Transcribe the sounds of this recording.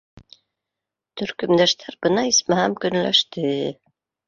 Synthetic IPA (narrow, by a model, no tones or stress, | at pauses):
t̪ʰɵ̆ɾkɵ̆md̪æʃt̪ʰæɾbɤnɑismæhæmkɵ̆nlæ̰ʃt̪ɘ